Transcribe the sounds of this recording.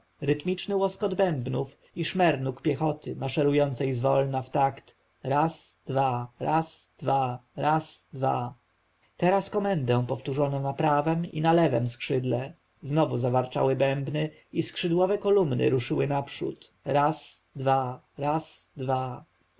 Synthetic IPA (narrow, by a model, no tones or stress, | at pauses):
ɾɘt̪mʲit͡ʂnɘwɔskɔd̪bɛmbnuf | iʂmɛɾnukpʲjɛxɔt̪ɘmaʂɛɾujɔnt̪sɛjzvɔlnaft̪akt̪ | ɾasd̪̥vaɾasd̪̥vaɾasd̪va̰ | t̪ɛɾaskɔmɛnd̪ɛ̃pɔft̪uʐɔnɔ̃napɾavɛmḭnalɛvɛ̰mskʂɘd̪lɛ | znɔvuzavaɾt͡ʂa̰wɘbɛmbnɘ | iskʂɘd̪wɔvɛkɔlumnɘ̰ɾuʂɘwɘnapʂṵt̪ | ɾasd̪va | ɾasd̪va